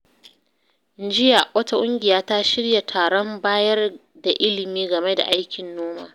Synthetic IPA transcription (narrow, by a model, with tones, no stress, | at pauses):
ɪ˨n˦d͡ʒɪ˦ja˨wɐ˦ta˨kʷʼʊ˦ŋɡʲɪ˨jaː˦ta˦ʃɪ˦rja˨tʰaː˨ɽɔ˦mbaː˦jɐ˦r | da˨ʔɪ˦lɪ˨miː˦ɡɐ˨me˦da̰˨ʔa˦jkʲɪ˨nːoː˦ma̰ː˨